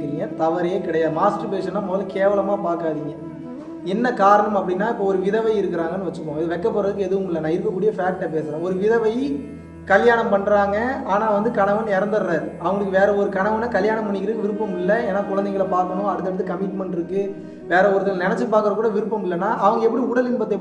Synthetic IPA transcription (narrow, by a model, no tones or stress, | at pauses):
kɪɾiːŋɡɐt̪ɐʋɐɾɐjekɪɽɐjaːðɯmaːsʈɐpeːʂɐnːaːmɔðɐlɐkeːʋɐlɐmaːpaːɾkaːðiːŋɡɐ | ɛnːɐkaːɾɐɳɐmɐpːɐɽɪnːaːɪpːoːɔɾɯʋɪðɐʋɐɪɪɾɯkːɯɾaːŋɡɐnːɯʋɐt͡ʃːɯpːoːŋɡɐɪðɯʋɛkːɐpːɐɾɐðɯkːɯɛðɯʋɯmɪlːɐnãːɪɾɯkːɐkːuːɽɪjɐfaːk̚ʈːɐp̬eːsɾẽːɔɾɯʋɪðɐʋɐɪ | kɐljaːɳɐmpɐɳːɾaːŋɡɐaːnaːʋɐnd̪ɯkɐɳɐʋɐnɛɾɐnd̪ɐɾɾaːɾɐʋɐŋɡɐɭɯkːɯʋeːɾɐɔɾɯkɐɳɐʋɐnːakɐljaːɳɐmːpːɐɳːɪkːɪɾɯkːʋɪɾɯpːɐmɪlːɐeːnːaːkʊɻɐnd̪ɐɪɣɐɭɐpaːɾkɐɳʊ̃ɐɽɯt̪ːɐɽɯt̪ːɯkɐmɪʈmɛɳʈɪɾɯkːɯ | ʋeːɾɐɔɾɯt̪ːɐlnɛnɛt͡ʃːɯpaːɾkɯɾɐkuːɽɐʋɪɾɯpːɐmɪlːɐnːaːʔɐʋɐŋɡɐɛpːɐɽiʊɽɐlɪnbɐt̪ːɐɛ